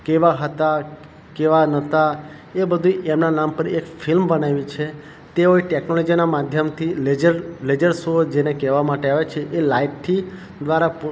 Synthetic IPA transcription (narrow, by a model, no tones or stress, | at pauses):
keʋaɦət̪a | keʋanət̪a | ebəd̪ʱuemnanampəɾekfʰɪlmbənaʋit͡ʃʰe | t̪eoiʈeknolɔd͡ʒinamad̪ʱjəmt̪ʰiled͡ʒəɾled͡ʒəɾsod͡ʒenekɛʋamaʈeaʋet͡ʃʰeʔelaiʈʈʰːi | d̪ʋaɾap